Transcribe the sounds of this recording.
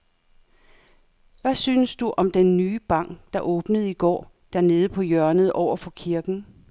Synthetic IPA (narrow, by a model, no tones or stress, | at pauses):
ʋæsyːnəsd̥uʔɒ̽md̥enːyːb̥ɑ̈ŋ̰ɡ̥d̥ɑ̈ʔɔːb̥nəð̞̩ˠiɡ̥ɒ̰ːd̥æɐne̝ːð̞̩ˠəpʰɒ̽jɶɐnəð̞ˠɒʊ̰ɐfɒ̽kʰiɐɡ̥n̩